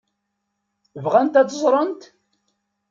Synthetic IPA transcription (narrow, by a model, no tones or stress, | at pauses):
vʁænt̪æt͡s̪ːəzˤɾˤənt̪